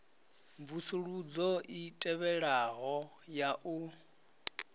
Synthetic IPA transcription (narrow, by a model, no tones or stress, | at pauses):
vusuɺud͡zɔʔitʼɛβɛɺaɣɔ | jaʔu